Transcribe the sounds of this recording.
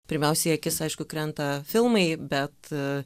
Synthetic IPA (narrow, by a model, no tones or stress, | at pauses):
pʲɪɾʲmʲɛʊsʲɛɐkʲɪsɐɪʃkʊkɾʲɛnt̪ɐfʲɪlˠmɐɪbʲɛt̪